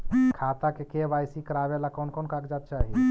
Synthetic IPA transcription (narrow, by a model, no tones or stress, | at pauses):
kʰaːt̪akekeʋaːjsikəɾaːʋelakɔːnkɔːnkaːkd͡ʒaːt̪̚t͡ʃaːɦi